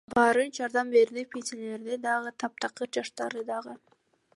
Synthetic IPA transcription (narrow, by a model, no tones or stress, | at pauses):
bɑɾɯnd͡ʒɑɾd̪ɑmbe̞ɾd̪ipʲesele̞ɾd̪ed̪ɑʁɯt̪ʰɑp̚t̪ɑqɯɾd͡ʒɑʃt̪ɑɾɯd̪ɑʁɯ